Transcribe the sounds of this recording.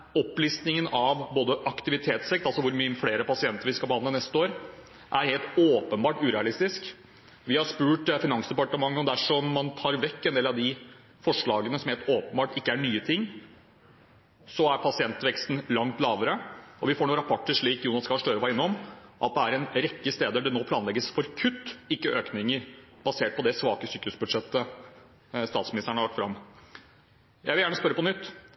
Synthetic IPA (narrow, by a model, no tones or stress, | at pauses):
ɔpːliːst̪nɪŋənɑʋboːd̪əʔɑkt̪ɪʋɪt̪ʰeːt̪sɛk̚t̪ɑlsɔʋʊɾmyfleːɾəpʰɑsɪɛnt̪əɾʋɪskɑlbəhɑnənɛst̪əoːɾ | ʔæɾheːlt̪oːpənbɑːʈʉːɾɛɑlɪst̪ɪsk | ʋɪhɑɾʂpʉːʈfɪnɑŋsd̪ɛpɑʈəmɑŋːəɔmd̪æʂɔmːɑnt̪ʰɑːɾʋɛkːɛnd̪eːlɑʋd̪ɪ | fɔʂɭɑːɡənəsɔmheːlt̪oːpənbɑːʈɪkːəæɳyːət̪ʰɪŋː | sɔæɾpʰɑsɪɛnt̪ʋɛkst̪n̩lɑŋt̪lɑːʋəɾəɔʋɪfoːɳuːɾɑpʰɔʈːəʂɭiːkjuːnɑskɑːʂʈøːɾəʋɑɪnːɔmʔɑ̰t̪̚d̪ɛæɾɛnɾɛkːəst̪eːd̪əɖɛnoːpʰlɑːnlɛɡəsfɔɾkʰʉt̪ːɪkːəʔøːknɪŋəɾb̥ɑseːʈ̚pʰɔd̪ɛsʋɑːkəsyːkʉsbʉd̪ʂɛt̪ːə | st̪ɑːt̪smɪnɪst̪əɳəhɑɭɑkʈ̪ːt̪fɾɑ̰mː | jʔæɪʋɪljæːɳəspœɾːəpɔnʏt̪ː